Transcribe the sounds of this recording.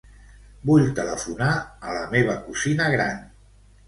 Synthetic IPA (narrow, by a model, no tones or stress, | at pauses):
buʎt̪ələfunaələmeβ̞əkuzinəɣɾan